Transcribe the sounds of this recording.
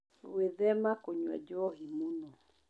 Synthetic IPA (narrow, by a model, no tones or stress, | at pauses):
weðɛmakoɲwa̰d͡ʒɔɦimunɔ